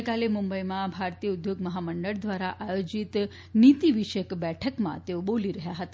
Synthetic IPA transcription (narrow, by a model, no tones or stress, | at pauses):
kalemumbəjmabʱaɾt̪ijəud̪joɡməɦaməɳɖəɭd̪ʋaɾaʔajod͡ʑit̪ | nit̪iʋiɕəkbɛʈʰəkma̰t̪eʋboliːɾəɦjaɦət̪